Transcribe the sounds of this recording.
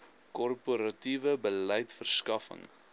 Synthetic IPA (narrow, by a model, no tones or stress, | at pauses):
kɔrpuɾɐtivəbələjtfərskɐfə̰ŋ